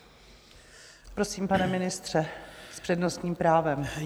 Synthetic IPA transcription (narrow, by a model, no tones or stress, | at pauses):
pɾo̞siːmpanɛmɪnɪst̪r̝̥ɛspr̥ɛdno̞st̪ɲiːmpɾaːvɛm